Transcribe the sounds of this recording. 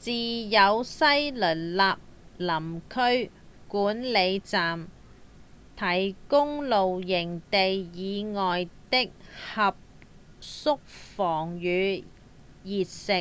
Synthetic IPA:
t͡siː˨jɐ˨˧wsɐ˥jlɵ˨˩nlaː˨p̚lɐ˨˩mkʰɵ˥ɥ | kuː˨˥nle˨˧jt͡saː˨m | t̪ʰɐ˨˩jkʊ˥ŋlo˨wjɪ˨˩ŋt̪e˨jjiː˨˧ŋɔː˨jt̪ɪ˥k̚hɐ˨p̚ | sʊ˥k̚fɔː˨˩ŋjyː˨˧ | jiː˨t̚sɪ˨k̚

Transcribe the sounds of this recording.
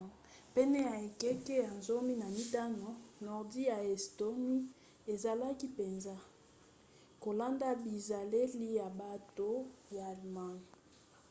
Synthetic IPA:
pɛ˦nɛ˦ja˨e˨kɛ˦kɛ˦ja˨nzo˦mi˦na˨mi˦ta˦no˨nɔ˨ʁdi˦ja˨ɛ˨sto˦mi˦ | e˨za˨la˦ki˦pe˨nza˦ | ko˨la˦nda˦bi˨za˨le˦li˦ja˨ba˨to˨ja˨lma˨n˨

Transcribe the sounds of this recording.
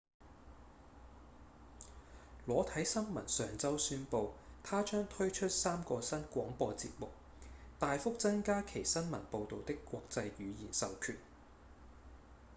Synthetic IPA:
lɔː˨˥t̪ʰɐ˨˥jsɐ˥nmɐ˨˩nsœː˨ŋt͡sɐ˥wsyː˥npo˧wt̪ʰaː˥t͡ʃœː˥ŋt̪ʰɵ˥ɥt͡ʃʰɵ˥t̚saː˥mkɔː˧sɐ˥nkʷɔː˨˥ŋpɔː˧t͡sḭ˧p̚mʊ˨k̚ | t̪aː˨jfʊ˥k̚t͡sɐ˥nkaː˥kʰe˨˩jsɐ˥nmɐ̰˨˩npo˧wt̪o˨wt̪ɪ˥kːʷɔː˧k̚t͡sɐ˧jɥyː˨˧jiː˨˩nsɐ˨wkʰyː˨˩n̚

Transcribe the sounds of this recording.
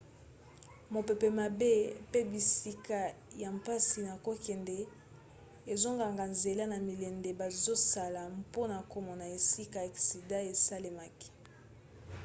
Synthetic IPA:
mo˨pe˨pɛ˨ma˨be˦pe˦bi˨si˦ka˨ja˨mpa˦si˨na˨ko˦kɛ˨ndɛ˨ | e˨zo˦ŋɡa˨ŋɡa˨nze˨la˦na˨mi˨lɛ˨nde˨ba˨zo˦sa˨la˨mpo˦na˨ko˨mɔ˨na˨e˨si˦ka˨a˨ksi˨da˦e˨sa˦le˨ma˨ki̥˨

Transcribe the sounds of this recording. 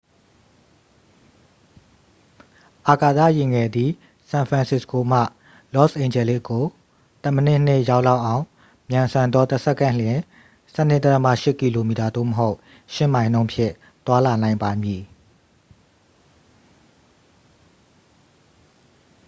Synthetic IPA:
ʔa˨ka˨t̪a̰˦˨jɪ˨ŋɛ˨d̪i˨ | sã˨pʰɹã˨nsɪ˦˨sko˨m̥ä̰˦˨ | lɔ˦sʔẽ˨ɪ̃ɲd͡ʑɛ˨lɪ̰˦ʔkːo˨ | t̪ə˦˨mə˦˨nɪ˦˨n̥ɪ˦˨ʔja˦ʊʔla˦ʊʔã˨ʊ̃ | mjã˨nsã˨nd̪ðɔ˦t̪ə˦sʰɛ˦ʔkːã˦˨ljɪ̃˨ | sɛ˦n̥ɪ˦˨t̪ə˦t̪əmä̰˦˨ʃɪ˦ʔki˨lo˨mi˨ta˨d̪o̰˦˨məɦo˦ʊʔ | ʃɪ˦˨mã˨ɪ̃nõ˦ʊ̃mpʰjɪ̰̃˦˨ | t̪wa˦la˨nã˨ɪ̃mba˨mji˨

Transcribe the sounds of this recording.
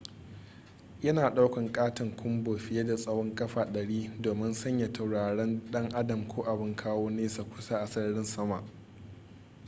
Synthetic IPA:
jɐ˦naː˨ɗa˦wkʷɐ˨ŋkʼaː˦tɪ˨ŋkʷʰʊ˦mboː˨ɸɪ˦jeː˦da˨sʼɐ˦wɔ˦ŋkʼɐ˦ɸaː˨ɗɐ˨ɽiː˦doː˨mɪ˦nsɐ˦ɲja˨tʰa˨wɽaː˨ɽɛ˦nɗɐ˦ŋʔa˦dɐ˨mkʷʰoː˦ʔa˨bɪ˦ŋkʰaː˦woː˦neː˦sa˨kʷʊ˦sa˦ʔa˨sɐ˦ɽɽɪ˦nsɐ˦ma˨ʔ

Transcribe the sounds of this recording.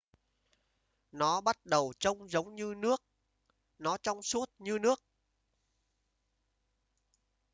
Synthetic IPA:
nɔ˨˦ɓa˦˥t̚ɗə˨˩wt͡ɕə˧wŋ͡mzə˨˦wŋ͡mɲɨ˧nɨ˦˥ək̚ | nɔ˨˦t͡ɕɔ˧wŋ͡msu˦˥ət̚ɲɨ˧nɨ˦˥ək̚

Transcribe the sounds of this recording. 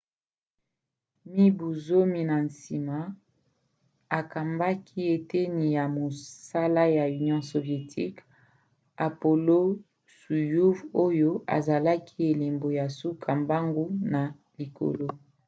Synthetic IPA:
mi˦bu˨zo˦mi˨na˨n˨si˨ma˦ | a˨ka˨mba˦kʰi˦e˨te˦ni˨ja˨mo˨sa˦la˦ja˨y˨njɔ̃˦so˨vje˨tʰi˦k | a˨po˨lo˦ | su˨ju˦vo˦jo˦a̰˨za˨la˦kʰi˦e˨le˨mbo˨ja˨su˦kʰa˨mba˦ŋɡo˦na˨ | li˨ko̰˨lo˦

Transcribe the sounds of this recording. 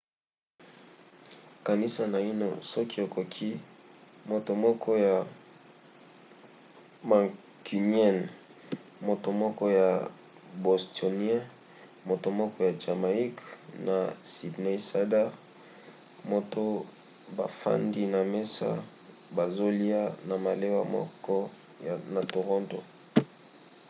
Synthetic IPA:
ka˨ni˦sa˨na˨i˦no̰˨sɔ˦ki˦e˨ko˨kʰi˦ | mo˨to˨mɔ˦kʰɔ˦ja˨ | ma˨ | ki˨niɛ˦˨n | mo˨to˨mɔ˦kɔ˦ja˨ | bo˨sto˨ni˦ɛ̃˦ | mo˨to˨mɔ˦kɔ˦ja˨d͡ʒa˨ma˨i˦kna˨si˨dne˦i˦sa˦da˦ʁ | mo˦˨to˦ | ba̰˨fa̰˦ndi˦na˨me˦sa̰˦ | ba˨zo˦li˦a˦na˨ma˨le˦wa̰˦mɔ̰˦kɔ˦˨ | na˨to˨ʁɔ̃˦nto˨

